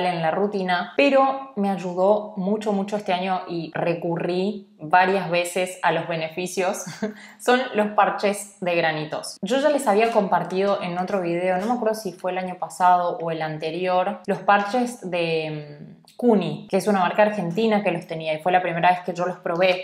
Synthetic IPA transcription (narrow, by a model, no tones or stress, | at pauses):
lenlarut̪inape̞ɾo̞me̞aʒuðo̞mut͡ʃomut͡ʃoest̪eaɲo̞ʔire̞kuri | βaɾjazβe̞se̞salo̞zβe̞ne̞fisjo̞sː | o̞nlo̞spaɾt͡ʃe̞zðe̞ɣɾanit̪o̞̰sʒo̞ʒale̞saβ̞iako̞mpaɾt̪ið̞oʔe̞not̪ɾo̞β̞ið̞e̞o̞no̞meakweɾð̞osifwe̞ːlaɲo̞pasað̞o̞ʔoe̞lant̪e̞ɾjoɾlo̞spaɾt͡ʃe̞zðem | kunikeesunamaɾkaɾxe̞nt̪inake̞lo̞st̪e̞niaifwe̞lapɾime̞ɾaβe̞ske̞ʒo̞lo̞spɾo̞βe̞